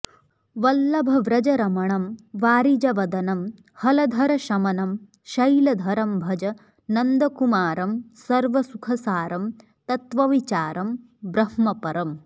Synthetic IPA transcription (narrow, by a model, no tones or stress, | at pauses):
ʋɐlːɐbʱɐʋɾɐd͡ʒɐɾɐmɐɳɐmʋaːɾid͡ʒɐʋɐd̪ɐnɐm | hɐlɐd̪ʱɐɾɐʃɐmɐnɐm | ʃɐjlɐd̪ʱɐɾɐmbʱɐd͡ʒɐ | nɐnd̪ɐkumaːɾɐmsɐɾʋɐsukʰɐsaːɾɐm | t̪ɐt̪ʋɐʋit͡ʃaːɾɐm | bɾɐhmɐpɐɾɐm